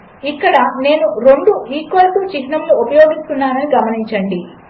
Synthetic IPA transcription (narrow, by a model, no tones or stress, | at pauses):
ikːɐɽɐne̞ːnuɾoɳɖuiːkːolt̪ut͡ʃiɦnɐmluːpɐjo̞ːɡist̪unːaːnɐniɡɐmɐniɲt͡ʃɐɳɖi